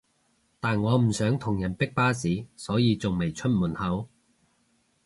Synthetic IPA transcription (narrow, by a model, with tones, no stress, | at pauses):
t̪aː˨nŋɔː˨˧m̩˨˩sœː˨˥ŋt̪ʰʊ˨˩ŋjɐ˨˩npɪ˥k̚paː˥siː˨˥sɔː˨˥jiː˨˧t͡sʊ˨ŋme˨˩jt͡ʃʰɵ˥t̚muː˨˩nhɐ˨˥w